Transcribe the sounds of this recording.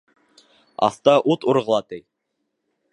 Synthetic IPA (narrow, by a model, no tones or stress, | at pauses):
ɑ̰θt̪ɑʔut̪uɾʁɤ̆lˠɑt̪ɘj